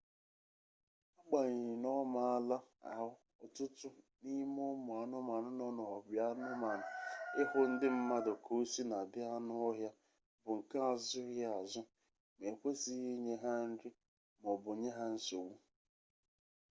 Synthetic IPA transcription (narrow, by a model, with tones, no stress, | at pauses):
a˦k͡pa˨ɲɪ˨ɪ˨nɔ˦ma˨a˦la˦a̰˨ɦʊ˦ | ɔ˨tʊ˦tʊ˦ | ni˦mo˦mʊ˨a˨nʊ˦ma˨nʊ˦nɔ˦nɔ˨ɔ˨bja˦nʊ˦ma˨nʊ˨ɪ˦ɦʊ˦n̩˦dɪ˦m̩˦ma˦dɔ˨kʰo˦si˦na˨dɪ˦a˦nʊ˦ɔ˦ɦja˦ | bʊ˨ŋ̩˨ka˦a˨zʊ˦ɣa˦a˨zʊ˦ | me˨kʷe˦si˦ɦi˦ɲe˦ɦa˦n̩˦ɾɪ˦ | mɔ˨bʊ˨ɲe˦ɦa˦n̩˦so˨wu˦